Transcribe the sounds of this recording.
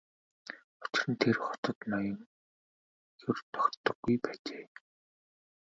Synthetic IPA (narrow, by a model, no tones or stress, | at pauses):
ʊt͡ɕɪ̆rə̆nt̪ʰerχɔ̥t̪ə̆t̪nɔjɞ̆ŋ | jɵrt̪ɔkʲt̪ːə̆ɡːujpæːt͡ɕeː